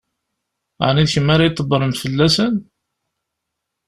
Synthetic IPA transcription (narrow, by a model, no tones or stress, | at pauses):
ʕniðçəmːaɾajt̪ˤːəbːəɾˤəmfəlːæsən